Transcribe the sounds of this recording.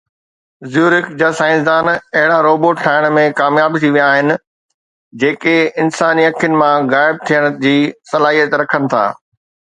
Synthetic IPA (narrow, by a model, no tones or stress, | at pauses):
zjuːɾɪkd͡ʑaːsaːɪ̃ns̬d̪aːnɐɦɪɽaɾoːboːʈʈʰaːɪɽ̃mẽkaːmjaːbt̪ʰiʋijaːɦɪnɪ̆ | d͡ʑeːkeɪnsaːniɐkʰjʊnɪ̆mãɣaːɪb̚t̪ʰijəɽ̃ə̆d͡ʑiːsɐlaːɦijət̪ɾɐkʰənɪ̆t̪ʰa̰ː